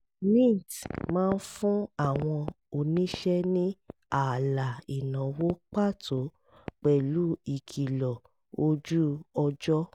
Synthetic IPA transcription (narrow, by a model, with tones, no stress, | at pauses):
nĩ˦˨tmãː˦˧˦n̩˦fũ˦a˦˨w̃ɔ̃˧ | o˨nĩ˦ʃɛ˦nĩ˦ | a˨la˨i˨nã˨wo˦k͡pa˦˨tʰo˨˦ | k͡pɛ˨lu˨˦i˦˨kʰi˨lɔ˨ | o˧d͡ʒu˦ɔ˧d͡ʒɔ˦